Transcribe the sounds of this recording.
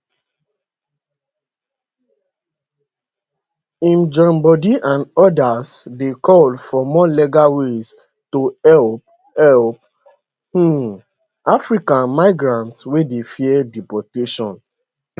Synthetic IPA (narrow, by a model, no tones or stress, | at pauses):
ĩmd͡ʒɔ̃mbɔdiʔãnɔdasdekʰɔldfɔmɔleɡawes | toɛp̚ | ɛlp̚ | h̩ | afɹikãnmaɪɡɹãntswedefiɛdipɔteʃɔ̃n